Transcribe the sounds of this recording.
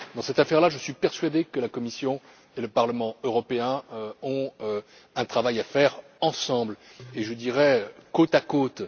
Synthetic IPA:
d̪ɑ̃sɛt̪afɛʁlaʒəsɥipɛʁsɥad̪ekəlakɔmisjɔ̃ | eləpaʁləmɑ̃øʁɔpeɛ̃ɔ̃ø | ɛ̃t̪χavajafɛʁ | ɑ̃sɑ̃bleʒəd̪iʁɛkot̪akot̪

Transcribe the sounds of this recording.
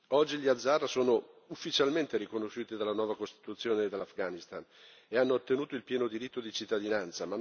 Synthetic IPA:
ɔd͡ʒːiʎjad̪zːarsoːno | ufːit͡ʃalment̪eɾikonoʃːuːt̪id̪alːanwɔːvakost̪i̥t̪ut̪sːjoːneːd̪ːalːafɡanist̪an | eanːoːt̪ːenuːt̪oilpjɛːnod̪iɾit̪ːod̪it͡ʃit̪ːad̪inant̪sama

